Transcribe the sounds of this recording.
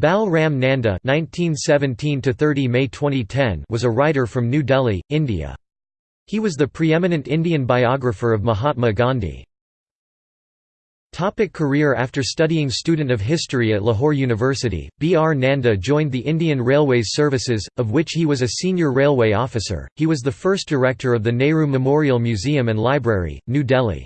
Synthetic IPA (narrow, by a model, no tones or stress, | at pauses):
b̥ælˠɹæ̃mnæ̃ndɨ̰nãɪ̃ntʰĩnsɛvɨ̃ntʰĩntʰɨθɜ˞ɾimeɪtʰw̥ɛ̃ɾ̃itʰɛ̃nwʌzəɹaɪɾə˞fɹʌ̃mnʉdɛlˠiɪ̃ndḭɨ̰ | hiwʌzðɨpʰɹ̥iɛmɨnɨ̃ntɪ̃ndiɨ̃nbaɪɑɡɹɨfə˞ʌvməɦɑt̚məɡɑ̃ndḭ | tʰɑpɨkʰːə˞ɪɹæftə˞stʌɾiɪ̃ŋstʉdⁿn̩tʌv̥ɦɪstɹ̥iɨtˡləɦɔɹjʉnɨvɜ˞sɨɾḭb̥iɑɹnæ̃ndɨd͡ʒɔ̃ɪ̃nðiʔɪ̃ndiɨ̃nɹeɪlˠweɪ̥sɜ˞vɨsɪzʌvwɪt͡ʃhiwʌzɨsĩnjə˞ɹeɪlˠweɪɔfɨsə̰˞hiwʌzðɨfɜ˞sd̥ə˞ɛk̚tʰə˞ʌvðɨneɪɹʉmɨmɔɹil̩ˠmjʉziɨ̃mɨ̃nlaɪbɹɛɹḭnʉdɛlˠḭ